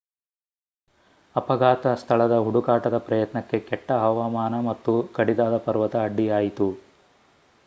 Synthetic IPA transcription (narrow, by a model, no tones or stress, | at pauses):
ɐpɐɡaːt̪ɐst̪ʰɐɭɐd̪ɐɦuɽukaːʈɐd̪ɐpɾɐjɐt̪nɐkːe̞kɛʈːɐɦɐʋaːmaːnɐmɐt̪ːukɐɽid̪aːd̪ɐpɐɾʋɐt̪ɐːɖːijaːjit̪u